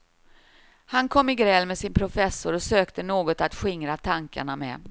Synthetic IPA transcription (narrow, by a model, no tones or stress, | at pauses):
hankʰɔmːɪɡɾɛlmɛsɪnpʰɾʊfɛsːʊɾɔsøːkt̪ənoːɡɔt̪at̪ɧɪŋɾat̪ʰaŋka̰ɳamɛ̰